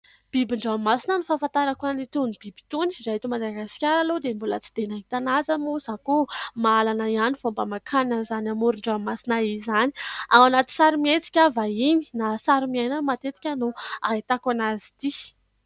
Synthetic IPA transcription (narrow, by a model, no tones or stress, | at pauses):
b̥ibiɳɖ͡ʐawammasinənufafant̪aɾakanit̪unib̥ibi̥t̪uni̥ɖ͡ʐaɦit̪umad̪aɡasi̥kʲaɾalod̪embulət͡si̥d̪̥enaɦit̪anazəmuzakumaalanaianivombamakʰananzanamuɾuɳɖ͡ʐawammasinaizani̥awanat̪i̥saɾimiet͡si̥kʲavaini̥nasaɾumiajnəmat̪et̪i̥kʲənuaɦit̪akanazi̥t̪i